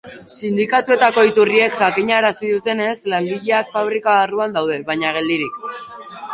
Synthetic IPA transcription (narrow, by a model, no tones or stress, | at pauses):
sind̪ikat̪ue̞t̪ako̞it̪urie̞kʝakiɲaɾasiðut̪e̞ne̞slaŋɡiʎe̞akfaβ̞ɾikaaruand̪awð̞e̞βaɲaɣ̞e̞ld̪iɾik